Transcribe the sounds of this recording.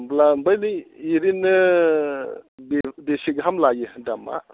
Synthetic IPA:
mblambajniiɾinːɯ | bedesiɡɯɦamlajɯdama̰

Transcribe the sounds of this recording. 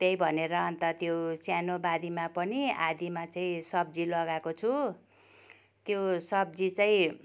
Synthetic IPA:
t̪ejbʱʌneɾʌʌnt̪ʌt̪josjanobad̪imapʌniad̪imat͡saĩsʌbd͡zilʌɡakot͡sʰu | t̪josʌb̚d͡zit͡saĩ

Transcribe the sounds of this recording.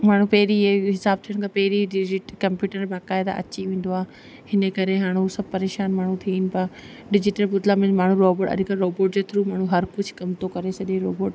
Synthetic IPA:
maːɳ̤ũpɐɦɪɾieɦɪsaːb̚t̪ʰiəɽ̃kʰaːpɐɦɪɾiɖɪd͡ʑɪʈkɐ̃mpjuːʈəɾbaːkaːɪd̪a̰ʔɐ̰t͡ɕiʋĩːn̆d̪oaːɦ | hɪnəkɐɾeɦaːɽ̃uɦusɐb̚pɐɾeːʃaːnmaːɳ̤ũt̪ʰinɪ̆pɐɾ | ɖɪd͡ʑɪʈəlbʊd̪laːmɪ̃nmaːɳ̤ũɾoːboːʈɐ̰ʄkəɾoːboːʈd͡ʑeːt̪ʰɪɾumaːɳ̤ũɦɐɾkʊd͡ʑʱkɐmt̪okɐɾesɐʄẽɾoːboːʈ

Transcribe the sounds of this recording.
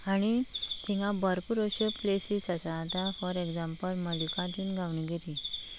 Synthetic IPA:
aɽ̃it̪ʰiŋɡãbəɾpuɾoɕəplesisasaːt̪afɔɾekd͡zãmpəlməljukãd̪inɡʱawɳiɡʱeɾi

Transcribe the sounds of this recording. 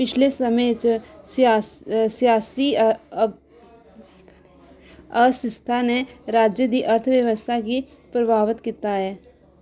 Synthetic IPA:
pɪt͡ʃʰlesɐmət͡ʃsasijaːsi | ɐsɪst̪ʰaneɾaːd͡ʒjəd̪iʔɐɾt̪ʰʋjəʋəst̪ʰaki | pɾəbʱaːʋət̪kit̪aɦɛː

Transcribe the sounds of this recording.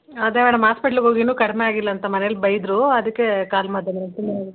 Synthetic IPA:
aːd̪eʋeːɳɐmɦaːspeʈɐlɦo̞ːɡinuːkɐɽmeaːɡilːɐɐnt̪ɐmɐnelbɐjd̪ɾuɐd̪ɐkːekaːlmɐd̪ʱjɐnɐɐt̪ːini

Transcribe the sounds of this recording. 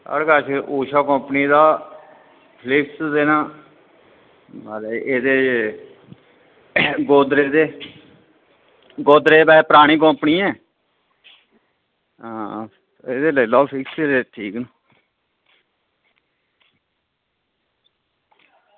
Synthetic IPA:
ə̰ɽɡaːʃʔuːʃaːkɔ̃ːpniːd̪aː | pʰlɪksd̪eːnãː | baːleeːd̪eː | ɡoːd̪ɾeːd̪eː | ɡoːd̪ɾeːbɛːpəɾaːɽ̃ĩːk̬ɔ̃ːpniːɛ̃ː | ãː | eːd̪eːləiːlɔːpʰɪkseɾeːʈʰiːknː

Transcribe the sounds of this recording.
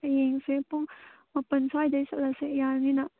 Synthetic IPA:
ɐjeŋsepuŋ | mɐpənsajd̪ajsaʔlasejaɾnina

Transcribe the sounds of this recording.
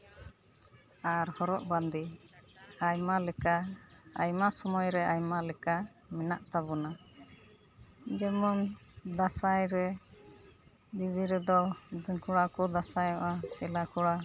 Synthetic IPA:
aɾhɔɾɔʔband̪i | ajmalɛkaajmasɔmɔjɾɛajmalɛka | mɛnaʔt̪abɔna | d͡ʒɛmɔnd̪asajɾɛ | d̪ibiɾɛd̪ɔkuɽakɔd̪asajɔʔat͡ʃɛlakɔɽa

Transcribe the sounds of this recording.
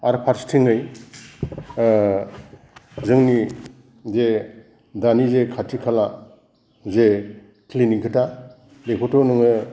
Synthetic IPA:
aɾpʰaɾstʰiŋɯj | zɯŋni | ze | danizekʰatʰikʰala | ze | kliniŋkʰɯta | lekʰɔtɔnɯŋɯ

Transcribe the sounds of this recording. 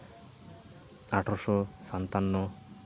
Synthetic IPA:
aʈʰɔɾʃɔsant̪anːɔ

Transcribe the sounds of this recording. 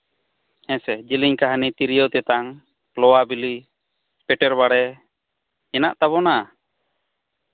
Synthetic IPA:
hɛ̃sɛd͡ʒiliɲkaɦanit̪iɾijɔt̪ɛt̪aŋ | lɔwabili | pɛʈɛɾbaɽɛ | ɛnaʔt̪aβɔna

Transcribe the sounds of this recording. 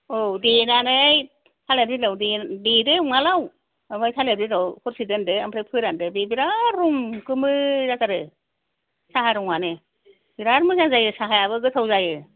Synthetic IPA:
odenanɯj | tʰalebɾilawdededɯuŋalaw | majtʰalebɾilɔwhʰɔɾsidendɯampʰɾepʰɯɾandɯbebiɾaɾuŋkɯmɯzakaɾɯ | saɦaɾuŋanɯ | biɾaɾmɯzaŋzajɯsaɦajaβɯɡɯt̪ʰawzajɯ

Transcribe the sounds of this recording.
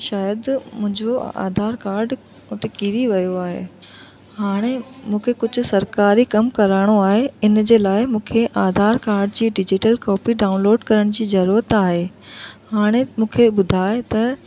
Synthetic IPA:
ʃaːjəd̪mʊ̃ɦɪ̃ɲd͡ʑoa̰ːd̪ʱaːɾkaːɾɖ | mʊt̪ekiɾiʋɐjoaːɦḛː | haːɽ̃emũːkʰekʊd͡ʑʱʊ̆sɐɾkaːɾikɐmkɐɾaːɽ̃oaːɦeɪnd͡ʑeːlaːɪmũːkʰeʔaːd̪ʱaːɾkaːɾɖd͡ʑiːɖɪd͡ʑɪʈəlkɔːpiɖaːʊ̃nloːɖkɐɾəɽ̃d͡ʑiːzɐɾuːɾət̪aːɦe | haːɽ̃emũːkʰeɓʊd̪ʱaːet̪ɐ

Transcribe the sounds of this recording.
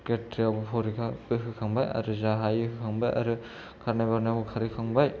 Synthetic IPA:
ketɾiabupʰɔɾikʰaɯɦɯkʰaŋbaja̰ɾɯzaɦajɯhɯkʰaŋbajʔa̰ɾɯ | kʰaɾnabaɾnabukʰaɾɯkʰaŋbaj

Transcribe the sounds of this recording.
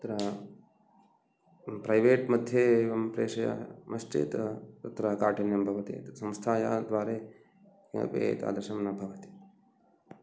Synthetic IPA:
ɐt̪ɾɐ | pɾɐjʋeːʈmɐd̪ʱjeʋɐmpɾeːʂɐja̰mɐsʈḭːt̪t̪ɐt̪ɾɐkaːʈʰɐnjɐmbʱɐʋɐt̪ḛːt̪sɐmst̪ʰaːja̰ːd̪ʋaːɾeː | kɐ̰pḛːt̪a̰ːd̪ɐʃɐmnɐbʱɐʋɐt̪i̥

